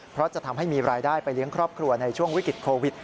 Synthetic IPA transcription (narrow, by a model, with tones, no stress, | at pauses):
pʰɾɔ˦˥t͡ɕa˨˩ʔt̪ʰa˧mɦa˥˩jmiː˧ɾaː˧jdaː˥˩jpa˧jli˦˥əŋkʰɾɔː˥˩p̚kʰɾu˧ɐna˧jt͡ɕʰu˥˩əŋwi˦˥kɾi˨˩t̪̚kʰoː˧wi˨˩t̪̚